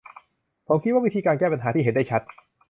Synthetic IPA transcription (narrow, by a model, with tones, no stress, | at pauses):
pʰoː˨˩˦mkʰi˦t̪̚wa˥˩wi˦˥t̪ʰiː˧kaː˧nkɛː˥˩pa˧nɦaː˩˦iː˥˩ɦe˨˦nda˥˩t͡ɕʰa˦˥t̪̚